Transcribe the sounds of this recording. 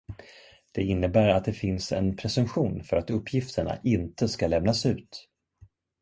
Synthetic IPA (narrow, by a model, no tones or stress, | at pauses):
d̪̥ɛɪnːəbæːɾat̪̚d̪ɛfɪnsɛ̰npʰɾɛsɵmɧuːnfœɾat̪ɵpːjɪft̪ʰəɳa̰ʔɪnt̪əskalɛmnasʉ̟ːt̪